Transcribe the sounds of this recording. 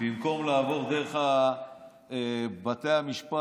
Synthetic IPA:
bimko̞mlaːvo̞ʁd̪eʁeχa | ebat̪e̞jamiʃpa

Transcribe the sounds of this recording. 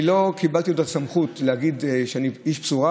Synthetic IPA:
ilo̞kibalt̪iod̪atsamχutlehaɡid̪ʃeaniiʃpsuʁa

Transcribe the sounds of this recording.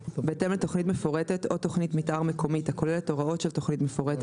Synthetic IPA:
bet̪emlet̪oχnitmefoʁetet̪o̞t̪o̞χnitmitʔaʁmekʰo̞mithako̞lelet̪o̞ʁao̞tʃelt̪o̞χnitmefoʁet̪

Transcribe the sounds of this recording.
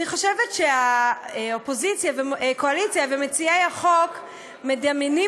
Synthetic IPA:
niχo̞ʃevetʃea | opo̞zit͡sjavekoalit͡sjavemet͡siejaχok | medamini

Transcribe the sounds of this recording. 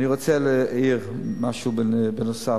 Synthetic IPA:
niʁot͡sɛlɛiʁmaʃubbənosa

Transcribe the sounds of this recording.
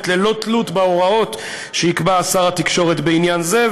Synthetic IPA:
tlelo̞t̪lut̪beo̞ʁao̞t̪ | ʃeikbaːsaʁat̪ikʃo̞ʁe̞t̪beinjanze̞

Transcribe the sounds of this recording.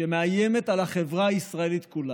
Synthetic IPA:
emeajeme̞talaχe̞vʁaːisʁaelit̪kula

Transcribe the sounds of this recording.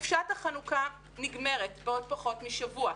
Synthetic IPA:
fʃathaχanuka | niɡme̞ʁetbeod̚paχo̞tmiʃavua

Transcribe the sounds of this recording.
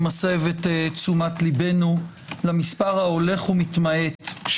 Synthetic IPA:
masevet̪t͡sumatlibe̞nu | lamispaʁhao̞le̞χumitmae̞t̪ʃ

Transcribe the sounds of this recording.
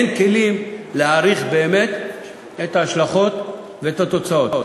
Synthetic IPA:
enkelimleaʁiχbe̞ːmet̪ | et̪aːʃlaχo̞t̪ | veet̪at̪o̞t͡sao̞o

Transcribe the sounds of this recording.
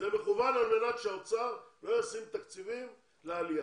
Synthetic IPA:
zeme̞χuvanalme̞nakʃeot͡saʁlo̞josimt̪akt͡sivim | lealija

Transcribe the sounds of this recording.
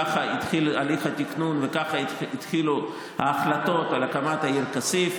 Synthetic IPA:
aχait̪χilaliχat̪iknunvekaχait̪χilu | ha̰ːχlat̪o̞t̪alakamat̪hajiʁkasif

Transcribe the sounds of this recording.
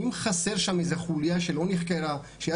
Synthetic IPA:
imχaseʁʃamezeχuljaʃelo̞niχkeʁa | ʃeja

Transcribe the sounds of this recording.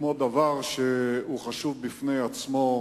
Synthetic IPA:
mod̪avaʁʃeuχaʃuvbifnejat͡smo̞

